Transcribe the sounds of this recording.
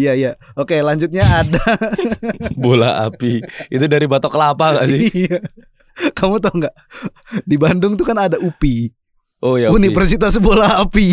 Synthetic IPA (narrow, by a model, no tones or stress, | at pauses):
jaija | okelaɲd͡ʒʊt̪̚ɲaːda | bola̰a̰piḭt̪udaɾibat̪ɔkəlapaŋaʔsɪja | kamut̪aŋɡaʔ | dibandʊŋt̪ukanadaʔupi | ojaunifərsit̪asbolaapi